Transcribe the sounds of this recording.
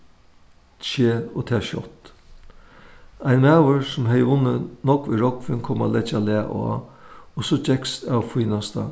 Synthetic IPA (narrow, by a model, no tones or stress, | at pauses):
t͡ʃeːot̪ʰɛːʃɔ̰t̪ | aɪjnmæːwəɾsʊmɦɛjʊnːənɔkʋiɾɔkʋɪnkʰɔma̰lɛt͡ʃalæːʔa̰osɔd͡ʒɛkst̪awfiːnast̪a̰